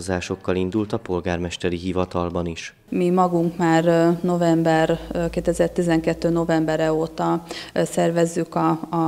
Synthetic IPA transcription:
zaːʃo̞kːɒlind̪ult̪ɒpo̞lɡaːrmɛʃt̪ɛɾiɦivɒt̪ɒlbɒniʃ | mimɒɡuŋkmaːrno̞vɛmbɛrkeːt̪ɛzɛrt̪izɛŋkɛt̪ːøːno̞vɛmbɛɾɛoːt̪ɒsɛrvɛzːykɒː

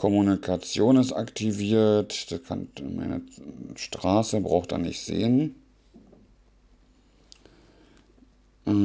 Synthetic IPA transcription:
kʰɔmunikʰat͡sjoːnɪstaktʰiviːɐtd̥akʰa̰nma̰ɪnə̰ʃtʁ̥aːsəbʁaʊxt̚d̥a̰ːnɪçtz̥ḛːən | ʔ

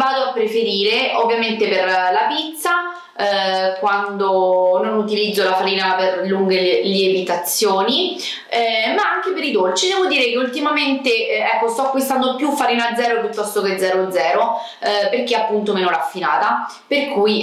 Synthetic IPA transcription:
vaːd̪oapːɾefeɾiːɾeʔovːjament̪eperlapit̪sːa | kwand̪ononut̪ilid̪zːolafaɾiːnaperluŋɡeleleebit̪at̪sːjoːni | ɛmaaŋk̟epeɾid̪olt͡ʃid̪ɛːvod̪iːɾekeult̪imament̪eɛkːost̪ɔakːwist̪and̪opjufːaɾiːnad̪zɛːɾopjut̪ːɔst̪oked̪zːɛːɾod̪zːɛːɾo | perk̟eapːunt̪omeːnoɾafːinaːt̪a | perkuj

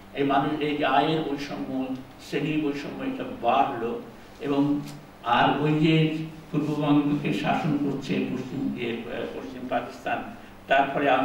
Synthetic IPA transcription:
ejmanuʃeajeɾojʃɔmːo | seniojʃɔmːɔeeʈabaɦolo | eboŋ | aɾojd͡ʑet̪uɾbobaŋɡokeʃaʃonkoɾt͡ɕʰepoʃt͡ɕimepoʃt͡ɕimpakist̪an | t̪aɾpɔɾea

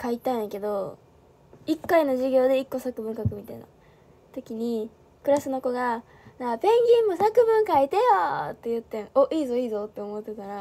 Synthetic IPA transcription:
kait̪aɯ̃ŋke̞d̪o̞ | ikːaino̞ʑiɡʲo̞ːd̪e̞ikːo̞sakɯ̟bɯ̟ŋkakɯ̟mʲit̪aina̰ | t̪o̞kʲiɲ̟i | kɯ̟ɾasɨno̞ko̞ɡa | napẽ̞ŋɡʲĩmːo̞sakɯ̟bɯ̟̃ŋkait̪ejot̪ːe̞jɯ̟t̪ːẽoʔiːzo̞iːzo̞t̪ːe̞omo̞t̪ːek̪aɾa

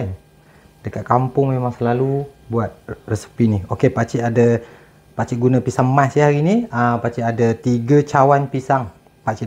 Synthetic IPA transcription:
n | d̥əkat̪̚kampʊŋmemaŋsəlalubuat̪̚rəsi̥piniokepat͡ʃiʔada | pat͡ʃiʔɡunəpisaŋmasjahaɾiniəpat͡ʃiʔadat̪iɡət͡ʃawanpisaŋ | pat͡ʃi

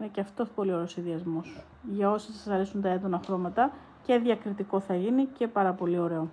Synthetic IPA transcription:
ineceɐft̪o̞po̞lio̞ɾe̞osinðiɐzmo̞s | ʝɐo̞sɐsɐɐsɐɾesunt̪ɐe̞d̪o̞nɐxɾo̞mɐt̪ɐ | ce̞ðʝɐkɾit̪iko̞θɐʝinice̞pɐɾɐpo̞lio̞ɾe̞o̞

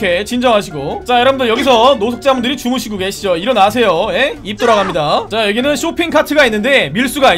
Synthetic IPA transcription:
kʰe̞t͡ɕind͡ʑʌŋɦaɕʰiɡot͡ɕajʌɾʌbɯndɯɭjʌɡis̬ʰʌnosʰok̚t͡ɕ͈amundɯɾit͡ɕumuɕʰiɡoɡe̞ɕʰid͡ʑoiɾʌnas̬ʰe̞joje̞ip̚t͈oɾaɡamɲidat͡ɕajʌɡinɯnɕʰopʰiŋkʰatʰɯɡainːɯnde̞miɭs͈uɡa

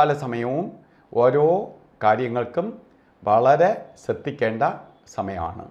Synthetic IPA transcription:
lɐsɐmɐjɐʋum | o̞ːɾo̞ː | kaːɾjɐŋːɐɭkum | ʋɐɭɐɾe̞ɕɐt̪ːikʲːe̞ːɳɖɐ | sɐmɐjɐ̰ma̰ːɳɨ̰

